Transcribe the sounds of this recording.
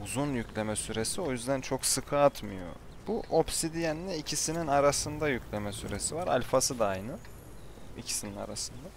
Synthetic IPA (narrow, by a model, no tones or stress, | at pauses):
uzunjycʰlʲe̞mɛsyɾe̞sio̞jyzd̪ænt͡ʃʰo̞ksɯkʰɯat̪mɯjo̞̰ | b̥uʔopsid̪ijɛnilɛicʰisininaɾasɯnd̪ajycʰlʲe̞mɛsyɾe̞sivaɾa̰lʲfasɯd̪ajnɯ | icʰi̥sinina̰ɾasɯnd̪a